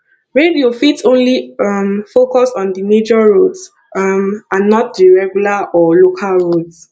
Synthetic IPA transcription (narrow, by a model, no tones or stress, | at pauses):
ɹediofitõnliʌmfokɔsɔ̃ndimed͡ʒɔɹods | ʌmãnːɔt̚diɹɛɡjulaʔɔlokʰalɹods